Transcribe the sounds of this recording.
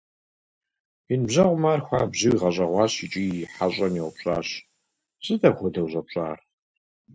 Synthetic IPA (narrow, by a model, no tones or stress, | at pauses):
inbʑɐʁʷʊmaːrxʷaːbʑiwiʁɐɕʼɐʁʷɑːɕit͡ʃʼiħaɕʼɐnjiwʷʊpɕʼa̰ːɕ | sʼɨdɐbχʷʊdɐwʑʷʼɐpɕʼa̰ːr